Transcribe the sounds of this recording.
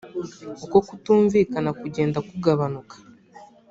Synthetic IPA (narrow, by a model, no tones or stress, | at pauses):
oko̞kutuːɱviːkanakuɟe̞ːndakuɡaβanukḁ